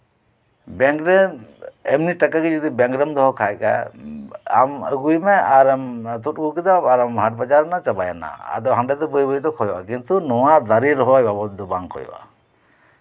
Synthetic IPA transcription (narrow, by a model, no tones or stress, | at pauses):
bɛŋkɾɛ | ɛmniʈakakid͡ʒɔd̪ibɛŋkɾəmd̪ɔɦɔkʰajka̰ | a̰mə̰ɡujmɛaɾamt̪ut̚ɡukid̪aaɾamɦaʈ̚bad͡ʒaɾnat͡ʃabaja̰na̰a̰d̪ɔɦaɳɖɛd̪ɔbəjbəjd̪ɔkʰɔjɔʔa̰kint̪unɔwad̪aɾiɾɔɦɔajbabɔt̪̚d̪ɔbaŋkʰɔ̰jɔ̰ʔa̰